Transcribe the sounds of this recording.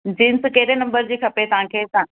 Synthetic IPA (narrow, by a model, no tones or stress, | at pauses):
d͡ʑiːnskeːɾenɐ̃mbəɾd͡ʑiːkʰɐpet̪ɐʋ̤ɦãkʰeːt̪a